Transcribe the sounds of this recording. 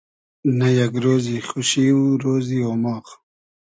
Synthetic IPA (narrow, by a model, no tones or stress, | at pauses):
najaɡɾoːziχʊʃiuɾoːzioːmɑːχ